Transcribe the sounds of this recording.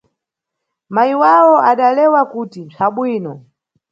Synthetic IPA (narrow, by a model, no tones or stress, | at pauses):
maiwawɔʔaɗalɛwakutint͡sʰaɓwiːnɔ